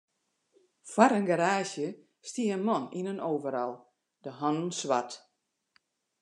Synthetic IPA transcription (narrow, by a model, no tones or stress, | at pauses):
fwaɾənɡaɾaːsjə | stiənmɔninənoːvəɾɔlˠ | dəɦɔnənsʋat